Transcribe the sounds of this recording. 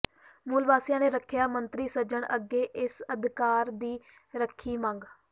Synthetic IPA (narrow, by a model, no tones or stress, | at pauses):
muːlʋaːsjãːneːɾəkʰjaːmənt̪ɾiːsəd͡ʒəɳə̰ɡːeːʔɪsəd̪kaːɾd̪iː | ɾəkʰːiːmãːŋɡ